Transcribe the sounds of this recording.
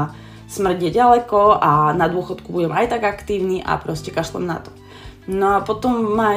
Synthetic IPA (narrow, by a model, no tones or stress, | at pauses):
smr̩ɟjɛɟalɛkɔʔanad̪ʊɔxɔt̪kubuɟɛmajt̪aɡakt̪iːʊniʔa̰pɾɔscɛkaʒt̪ɔ̰mna̰t̪ɔ̥ | nɔapɔt̪ɔmːaː